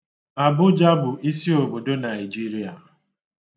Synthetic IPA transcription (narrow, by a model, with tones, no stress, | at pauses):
a˨bʊ˦d͡ʒa˦bʊ˨ʔi˦si˦o˨bo˨do˦na˨i˨d͡ʒi˦ɾi˦a˨